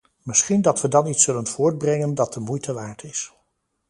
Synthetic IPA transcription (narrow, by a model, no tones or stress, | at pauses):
mɪsχindɑtʋədɑnitsɵlənv̥ʊːɹd̚brɛŋəndɑt̚dəmujtʰəʋaːɹtʰɪs